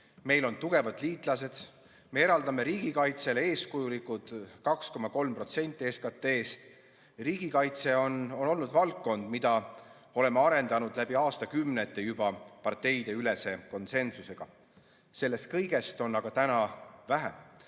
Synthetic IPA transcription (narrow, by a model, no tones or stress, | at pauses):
me̞jlo̞nt̪uɡ̥e̞vɑd̪̥liːt̪ˑlɑse̞d̪̥ | me̞eɾɑld̪ɑme̞ɾiːɡ̥ikɑjt̪se̞le̞ːskujulikut̪kɑksko̞mɑko̞lmpro̞t̪se̞nʲt̪ːˑieskɑt̪ːe̞ːst̪ | riːɡ̥ikɑjt̪se̞ono̞no̞lnud̪vɑlkːo̞nd̪̥mid̪̥ɑ | o̞le̞meɑɾe̞nd̪̥ɑnud̪læb̥iɑːst̪ɑkymnet̪ːˑe̞jubɑpɑrt̪ːe̞jd̪̥e̞yle̞se̞ko̞nse̞nsuse̞ɡ̥ɑ | se̞lːe̞st̪̚kɤjɡe̞st̪o̞nːɑɡ̥ɑt̪ænɑvæɦæm